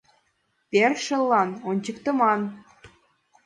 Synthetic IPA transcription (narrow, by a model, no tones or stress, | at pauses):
perʃə̆lːɑnonʲt͡ɕəkt̪əmɑn